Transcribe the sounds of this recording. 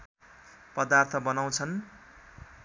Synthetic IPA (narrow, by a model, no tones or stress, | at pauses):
pʌd̪art̪ʰʌbʌnaw̃t͡sʰʌn